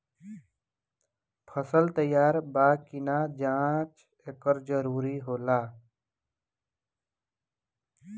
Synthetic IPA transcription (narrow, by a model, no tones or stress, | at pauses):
pʰəsəlt̪əjaːɾbaːkɪnad͡ʒãːt͡ʃ | eːkəɾd͡ʒəɾuːɾiɦoːlaː